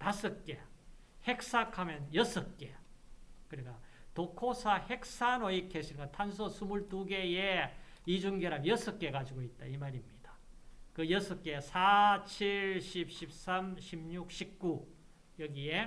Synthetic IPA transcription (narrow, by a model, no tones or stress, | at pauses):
tasʰɯk͈e̞ | he̞k̚s͈akʰamjʌnjʌsʰɯk͈e̞ | kɯɾik͈atokʰosʰahe̞k̚sanoikʰːeɕʰiɡantʰansʰosʰumuɭtuɡe̞jeid͡ʑuŋɡeɾamjʌsʰɯk͈e̞ɡad͡ʑiɡoit̚t͈aimaɾimɲid̥ḁkɯjʌsʰɯk͈e̞sʰat͡ɕʰiɭɕʰip̚ɕʰip̚s͈amɕʰimɲuk̚ɕʰip̚k͈u | jʌɡie̞